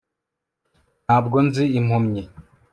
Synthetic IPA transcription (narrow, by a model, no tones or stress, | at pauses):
naːbɡonziimhomɲi